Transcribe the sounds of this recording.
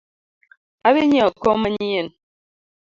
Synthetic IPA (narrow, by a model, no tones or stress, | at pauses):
aβeɲaɔkɔmaɲijen